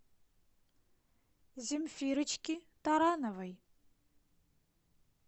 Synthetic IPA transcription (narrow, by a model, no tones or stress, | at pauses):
zɪmfiɾɨt͡ʃʰkʲitaɾanavaj